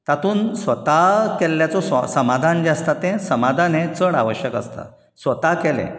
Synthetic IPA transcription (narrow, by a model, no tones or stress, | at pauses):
t̪at̪ʰuːnsʋət̪akɛlːjat͡sɔssəmad̪ʱand͡ʑɛəst̪at̪ɛ̃səmad̪ʱanɛ̃t͡səɽa̰ʋəɕjəkə̰st̪a̰ | sʋət̪akɛlɛ̰̃